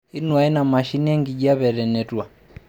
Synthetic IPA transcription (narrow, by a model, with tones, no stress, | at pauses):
i˦nu˨a˨˦i˦na˨ma˨ʃi˦ni˦ɛ˦ŋɡi˨ʄi˦a˦βɛ˨ɾɛ˨nɛ˨twa˨